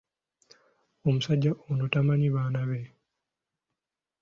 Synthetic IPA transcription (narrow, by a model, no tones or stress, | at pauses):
omusaɟːaʔonotamaɲiβaːnaβe